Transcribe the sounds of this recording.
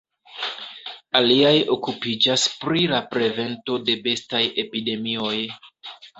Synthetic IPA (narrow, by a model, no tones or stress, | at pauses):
aliajokupid͡ʒaspɾilapɾe̞ve̞nto̞de̞be̞staje̞pide̞mio̞j